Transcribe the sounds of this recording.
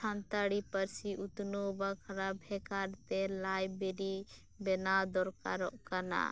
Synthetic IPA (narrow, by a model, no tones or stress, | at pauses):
t͡ʃʰant̪aɽipəɾsiʔut̪nobakʰaɾabʱɛkaɾt̪ɛlajbeɾi | bɛnad̪ɔɾkaɾɔʔkana̰